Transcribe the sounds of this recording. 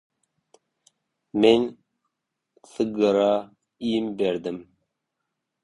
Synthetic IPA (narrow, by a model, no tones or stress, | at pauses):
men | sɨɡəɾɑ | ijimbeɾd̪ɪm